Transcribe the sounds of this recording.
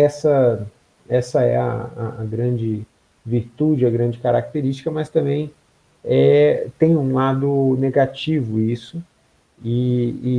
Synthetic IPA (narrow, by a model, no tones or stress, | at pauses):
ɛsɐ | ɛsɐɛɐa̰ːɡɾɐ̃d͡ʒɪ | viɾt̪ud͡ʒɪɐɡɾɐ̃d͡ʒɪkaɾak̚t̪eɾist͡ʃi̥kɐmɐst̪ɐ̃mbẽj̃ | ɛt̪ẽj̃ũlad̪ʊneɡat͡ʃivʊisʊ | iː